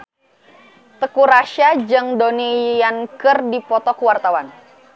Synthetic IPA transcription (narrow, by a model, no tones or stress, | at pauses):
t̪əkuɾaʃad͡ʒɨŋdonijankərdipɔt̪ɔkəwart̪awan